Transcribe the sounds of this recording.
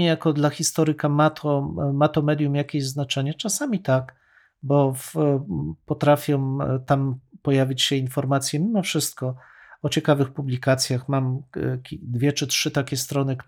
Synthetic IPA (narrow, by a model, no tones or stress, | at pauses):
ɛjakɔd̪laxʲist̪ɔɾɘkamat̪ʰɔmat̪ɔmɛd̪ʲjumjakʲeʑznat͡ʂɛɲɛt͡ʂasamʲit̪ak | bɔf | pɔt̪ɾafʲjɔ̃t̪ampɔjavʲit͡ɕɕɛinfɔɾmat̪sʲjɛmʲimɔfʂɘst̪̚kɔ | ɔt͡ɕɛkavɘxpublʲikat̪sʲjaxmamʲ | d̪vʲjɛt͡ʂɘtʂɘt̪akʲɛst̪ɾɔnɘk